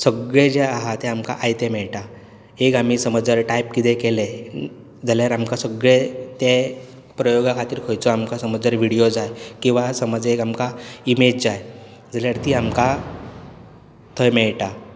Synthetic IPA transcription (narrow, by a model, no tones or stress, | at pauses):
səɡɭed͡ʑeaɦat̪ɛamka̰ʔajt̪emɛɭʈa | ekamiːsəməd͡zəɾʈajpkit̪ekele | d͡zaljaɾamkasəɡɭet̪e | pɾəjoɡakʰat̪iːɾkʰəjt͡sɔamkasəməd͡zəɾʋiɽijod͡zajkĩw̃ʋasəməd͡zekamkaimed͡ʑd͡zaj | d͡zaljaɾt̪iːamka | t̪ʰəjmɛɭʈa